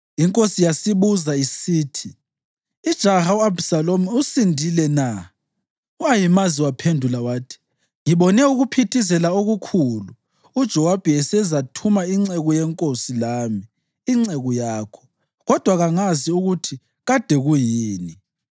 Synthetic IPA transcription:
iŋkʼosijasiβuzaisiːtʰiː | d̥ʒ̥ʱahauabsalomuusindʱilɛna | uajimaziwapʰendʱulawaːtʰi̥ | ŋiβɔnɛuɣupʰitʰizɛlaoɣukʰuluː | d̥ʒ̥ʱɔwab̥ʱɛɛsɛzatʰumaiŋ͡ǀɛɣɔjɛŋkʼosilaːmiː | ŋ͡ǀɛɣɔjaːkʰɔ̥ | ɣɔd̥ʱwaɣaŋaziuɣutʰi | ɣad̥ʱɛɣujiːni

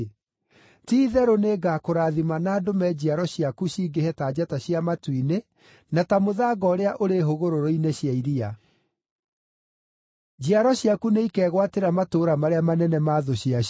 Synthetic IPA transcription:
tiːðɛɾoneɡaːkoɾaːðimanaːdomɛd͡ʑiaɾɔɕiakuɕiːɡehɛtaːd͡ʑataɕiamatwine | natamoðaːɡɔɾeaʔoɾeɦoɣoɾoɾoineɕjaiɾia | d͡ʑiaɾɔɕjakuneikɛːɣwateɾamatoːɾamaɾeamanɛnɛmaːðoɕia

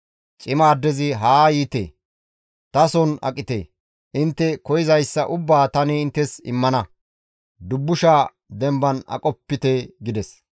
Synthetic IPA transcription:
t͡ʃʼɪmaːd̪ːɛzɪɦaːjiːt̪ḛː | t̪ɐsɔnɐ̰kʼːɪt̪ḛː | ʔɪnt̪ːɛkɔjɪzɐjsːɐʔʊbːaːt̪ɐnɛɪnt̪ːɛsɪ̰mːɐnɐ | d̪ʊbːʊʃaː | d̪ɛmbɐnɐ̰kʼɔpːɪt̪eɡɪd̪ɛs

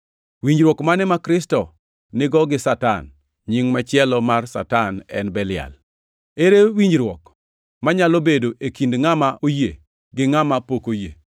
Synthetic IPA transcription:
wiɲd͡ʒɾwɔkmanɛmakɾɪstɔ | nɪɡɔɡɪsata̰n | ɲɪŋmɛt͡ʃɪɛlɔmarsa̰tanɛ̰nbɛlɪa̰l | eɾewiɲd͡ʒɾwɔk | maɲalobedoʔekindŋamaʔojḛ | ɡɪŋamapokojḛ

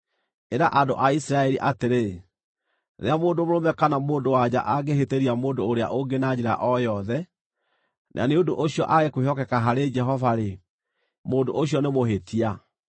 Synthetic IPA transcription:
eɾaʔando̰ʔaisiɾaɛɾiʔateɾe | ɾḛamoːndomoɾomɛkanamoːndowad͡ʑa̰ʔaɡeɦeteɾiamoːndoːɾea̰ʔoɡenad͡ʑeɾa̰ʔɔjɔðɛ | nʔa̰neondoʔoɕiɔ̰ʔaɣekweɦɔkɛkaɦaɾed͡ʒɛɦɔvaɾe | moːndo̰ʔoɕjɔnemoɦetʰia

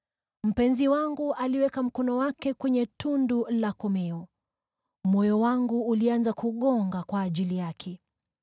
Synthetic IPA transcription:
m̩pɛnziwaŋɡuʔaliwɛkam̩kɔnɔwakɛkwɛɲɛtundulakɔmɛɔ | mɔjɔwaŋɡuːlianzakuɠɔŋɡakwaːʄilijakʰɛ

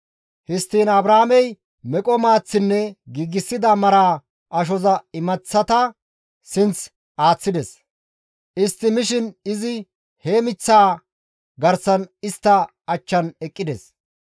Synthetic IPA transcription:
hɪst̪ːiːnɐbɾaːmɛj | mɛkʼɔmaːt͡sːɪnːɛɡiːɡɪsːɪd̪ɐmɐɾaː | ʔɐʃ̬ɔzɐɪmɐt͡sːɐt̪ɐ | sɪnt͡s | ʔaːt͡sːɪd̪ɛs | ʔɪst̪ːɪmɪʃɪnɪzɪ | heːmɪt͡sːaː | ɡɐɾsɐnɪst̪ːɐ | ɐt͡ʃːɐnɛkʼːɪd̪ɛs

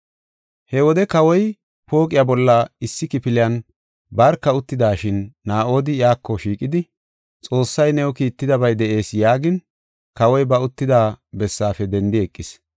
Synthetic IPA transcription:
hɛwɔd̪ɛkɐwɔj | po̞ːkʼɪjabɔlːɐɪsːɪkɪpɪlɪjɐn | bɐɾkːɐʊt̪ːɪd̪aːʃɪnːaːʔo̞ːd̪ɪjaːkːɔʃiːkʼɪd̪ɪ | t͡sʼo̞ːsːɐjnɛwɔkiːt̪ːɪd̪ɐbɐjd̪ɛʔe̞ːsjaːɡɪn | kɐwɔjbɐʊt̪ːɪd̪aːbɛsːaːfɛd̪ɛnd̪ɪɛkʼːɪs

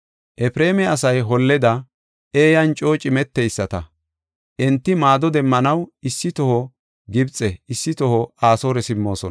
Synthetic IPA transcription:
ʔɛpɾe̞ːmɛɐsɐjɦɔlːɛd̪ɐ | eːjɐnt͡ʃʼo̞ːt͡ʃʼɪmɛt̪ːɛjsːɐt̪ɐ | ʔɛnt̪ːɪmaːd̪ɔd̪ɛmːɐnɐwɪsːɪt̪ɔhɔ | ɡɪbt͡sʼːɛɪsːɪt̪ɔhɔaːsoːɾɛsɪmːo̞ːsɔn

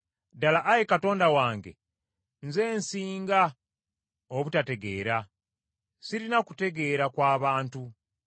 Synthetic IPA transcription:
dalaʔːjekato̞ːndawaːŋɡe̞̰ | nze̞ːnsiːŋɡa | oβutate̞ɡe̞ːɾa | siɾinaku̥te̞ɡe̞ɾakwaːβaːntu

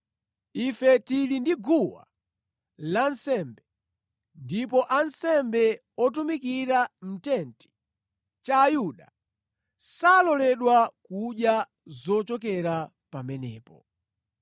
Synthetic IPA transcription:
ifɛtilindiɡuwa̰ | lansɛmbɛ | ndip̬ɔʔansɛmbɛ | ɔt̬umikiɾam̩tɛnti̥ | t͡ʃaːjuɗa | salɔlɛɗwakuɗja | zɔt͡ʃɔk̬ɛɾa | pamɛnɛ̰ːpɔ

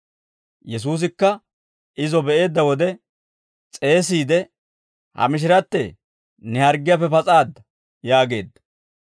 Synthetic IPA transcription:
jɛs̬uːs̬ɪkːɐ | ɪzɔbɛʔe̞ːd̪ːɐwɔd̪ɛ | t͡sʼe̞ːs̬iːd̪ɛ | hɐ̰mɪʃ̬ɪɾɐt̪ːɛ | nɛhɐɾɡɪjafɛpɐt͡sʼaːd̪ɐ | jaːɡe̞̰ːd̪ːɐ̥

